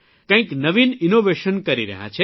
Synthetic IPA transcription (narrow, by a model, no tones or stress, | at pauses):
kə̃ĩknəʋininoʋeʃənkəɾiɾə̰ɦã̰t͡ʃʰe